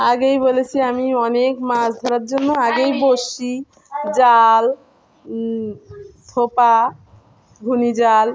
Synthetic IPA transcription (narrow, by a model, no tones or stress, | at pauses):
aɡejbolet͡ɕʰiamiɔnekmasd̪ʱɔɾaɾd͡ʑonːoaɡejboʃi | d͡ʑal | d̪ʱʰopa | ɡʱunid͡ʑal